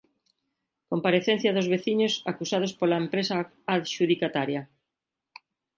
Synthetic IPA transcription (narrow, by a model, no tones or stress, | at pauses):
kompaɾeθen̟θjɐðʊzβeθiɲʊsakusað̞ʊspolaempɾesa | aðʃuðikat̪aɾja